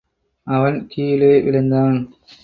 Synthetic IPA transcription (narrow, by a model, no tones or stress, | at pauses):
ʔɐʋɐnkiːjɪleːʋɪlɐnd̪aːn